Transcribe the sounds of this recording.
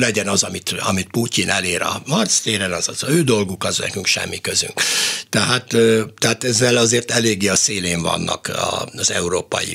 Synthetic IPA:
lɛɟɛnɒzɒmit̪ɒmit̪̚pucinɛleːɾɒ̰mɒrt̪st̪eːɾɛnɒzɒzøːd̪o̞lɡukɒznɛ̰kyŋkʃɛ̰mːikøzy̰ŋkt̪ɛɦaːt̪øt̪ɛaːt̪ɛzːɛlɒzeːrt̪ɛleːɡːeːɒseːleːɱvɒ̰nːɒ̰kɒ̰zɛuɾoːpɒ̰jḭ

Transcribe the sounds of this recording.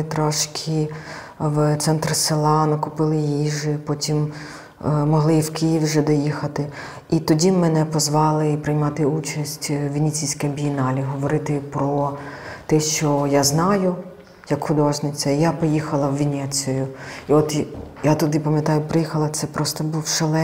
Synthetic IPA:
t̪ɾɔʃkʲʰi | wt̪sɛnt̪rselˠɑnɔkʊpɪlˠɪjjiʒɪpɔtʲim | mɔɦlˠɪwkijiwʒɛd̪ɔjixɐt̪ɪ | it̪ɔdʲimɛnɛpɔzʋɑlˠɪpɾɪjmɑt̪ɪut͡ʃɐsʲtʲʋʲinʲit͡sʲijsʲkɐɐbʲijinɑlʲiɦɔʋɔɾɪt̪ɪpɾɔt̪ɛʃt͡ʃɔjaznɑjʊ | jɐkxʊd̪ɔʒnɪt͡sʲɐijapɔjixɐlˠɐwʋʲinʲɛt͡sʲjʊiɔt̪jat̪ʊd̪ɪpɐmjɐt̪ɑjʊpɾɪjixɐlˠɐt̪sɛpɾɔst̪ɔbuwʃɐlˠɛ

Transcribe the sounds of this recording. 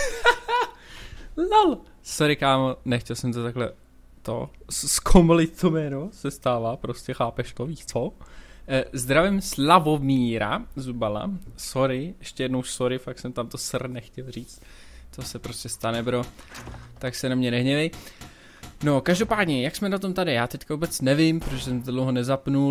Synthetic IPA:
lal | soɾɪkaːmonɛxcɛlsɛmt̪ot̪aklɛ | t̪o̰sskʰomolɪt̪̚t̪omɛːnosɛst̪aːvapɾo̞scɛxaːpɛʃt̪oviːt͡so | zd̪ɾavɛmslavomiːɾa̰zubala̰so̞ɾɪɛʃcɛjɛdnowʃsoɾɪfak̚sɛmt̪amt̪o̞sr̩nɛxcɛlr̝iːt͡st̪ | sosɛpɾo̞scʲɛst̪anɛbɾo̞ | t̪aksɛnamɲɛnɛɦɲɛlɪ | no̞kaʒdo̞paːdɲɛjaksmɛnat̪o̞mt̪adɪjaːt̪ɛckavubɛt͡snɛvɪmpɾoʃsɛmt̪odlowɦonɛzapnul

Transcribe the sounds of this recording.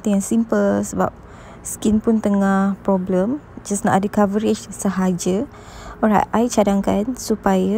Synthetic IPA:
t̪iaŋsimpəlsəba̰p̚ | skinpʊnt̪əŋahpɾɔbləmd͡ʒasna̰ʔadəkavəɾɪt͡ʃsəɦad͡ʒə | ɔɹa̰tʔajt͡ʃadaŋkansupaja

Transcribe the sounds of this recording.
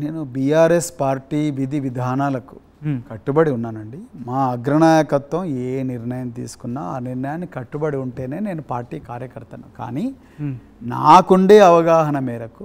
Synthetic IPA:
ne̞ːnubiːjaːɾespaːɾʈiːʋid̪ʱiʋid̪ʱaːnaːlɐku̥ | kɐʈːubɐɽiunːaːnɐɳɖimaːɐɡɾɐnaːjɐkɐt̪ʋɐmeːniɾnɐjɐmt̪ḭːsu̥kunːaːaːniɾnɐjaːnːikɐʈːubɐɽiuɳʈe̞ːne̞ːne̞ːnupaːɾʈiːkaːɾjɐkɐɾt̪ɐnuka̰ːniː | na̰ːkuɳɖe̞ːɐʋɐɡaːɦɐnɐmɛːɾɐku

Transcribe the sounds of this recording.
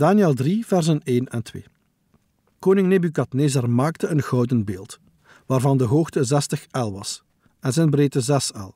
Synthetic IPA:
daːnjɛlˠdrivɛrzəneːnɛ̰ntwḛː | koːnɪŋnebykɑtneːzarmaːktəənɣɔwdənbeːlˠt | ʋaːrvɑndəɦoːxtəzɛstəxɛlˠʋɑs | ɛnzɛnbreːtəzɛsɛ̰lˠ

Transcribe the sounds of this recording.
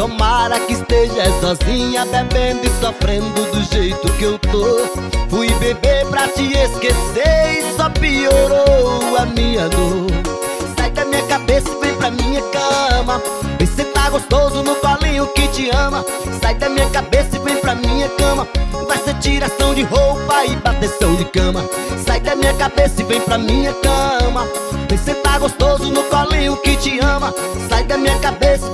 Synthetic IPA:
t̪omaɾɐkɪɪst̪eʒɐsɔzĩɲɐbɛbẽnd̪ʊɪsofɾẽnd̪ʊd̪ʊʒejt̪ʊkɪewt̪o | fujbebeɾpɾɐt͡ʃɪeskeseɾsɔpioɾowɐmĩɲɐno | sajd̪ɐmĩɲɐkabesɪbẽj̃pɾɐmĩɲɐkɐ̃mɐ | veset̪aɡost̪ozʊnʊkɔlĩɲʊkɪt͡ʃɪɐ̃mɐ | sajd̪ɐmĩɲɐkabesɐɪvẽj̃pɾɐmĩɲɐkɐ̃mɐvajset͡ʃiɾasɐ̃w̃d͡ʒɪɦowpɐɪbat̪esɐ̃w̃d͡ʒɪkɐ̃mɐ | sajd̪ɐmĩɲɐkabesɐɪvẽj̃pɾɐmĩɲɐkɐ̃mɐ | veset̪aɡost̪ozʊnʊkɔlĩʊkɪt͡ʃɪiɐ̃mɐ | sajd̪ɐmĩɲɐkabesɐ

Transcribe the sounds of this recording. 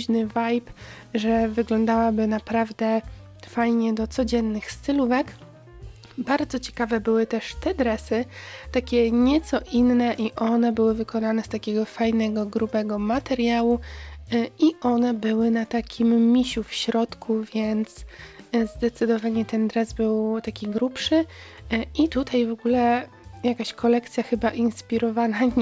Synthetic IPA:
ʑnɘvajp | ʐɛvɘɡlɔnd̪awabɘnapɾavd̪ɛ | fajɲɛd̪ɔt̪sɔd͡ʑɛnːɘxst̪ɘluvɛk | baɾd̪zɔt͡ɕɛ̥kavɛbɘwɘt̪ɛʂt̪ɛd̪ɾɛsɘt̪akʲɛɲɛt̪sɔʔinːɛʔiʔɔnɛbɘwɘvɘkɔnanɛst̪akʲɛɡɔfajnɛɡɔɡɾubɛɡɔmat̪ɛɾʲjawu | iʔɔnɛbɘwɘnat̪akʲimːʲiɕufɕɾɔt̪kʰuvʲjɛnt̪szd̪ɛt̪sɘd̪ɔvaɲɛt̪ɛnd̪ɾɛzbɘwt̪akʲiɡɾupʂɘ | it̪ut̪ajvɔɡulɛ | jakaɕkʰɔlɛk̚t̪sʲjaxɘbaʔinspʲiɾɔvana

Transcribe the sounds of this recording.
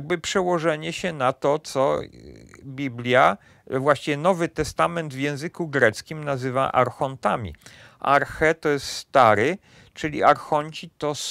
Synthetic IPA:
ɡ̚bɘpʂɛwɔʐɛɲɛɕɛnat̪ɔt̪sɔ | bʲiblʲja | vwaɕt͡ɕivʲɛnɔvɘt̪ɛst̪amɛnd̪vjɛ̃w̃zɘkuɡɾɛt̪skʲimnazɘva̰ʔa̰ɾxɔnt̪amʲḭ | ʔa̰ɾxɛt̪ɔjɛst̪st̪aɾɘ | t͡ʂɘlʲḭʔaɾxɔɲʲt͡ɕit̪ɔs

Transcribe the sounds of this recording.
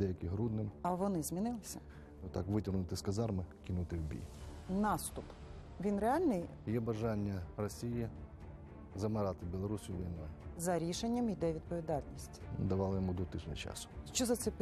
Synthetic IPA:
d̪ɛjɐkɪɦɾud̪nɪmɐʋɔnɪzʲmʲinɪlˠɪsʲɐ | nut̪ɑkʋɪtʲɔrnʊt̪ɪskɐzɑrmɪkʲɪnut̪ɪwbʲḭjnɑst̪ʊp | ʋʲinɾeɑlʲnɪj | jɛbɐʒɑnʲːɐrɔsʲiji | zɐmɪɾɑt̪ɪbʲilˠɔɾusʲʊʋʲḭjnɔjʊzɐɾʲiʃenʲːɐmid̪ɛʋʲid̪̚pɔʋʲid̪ɑlʲnʲisʲtʲd̪ɐʋɑlˠɪjɔmud̪ɔt̪ɪʃnʲʊ̰t͡ʃɑ̰sʊ̥ʃt͡ʃɔzɐt̪sɛp

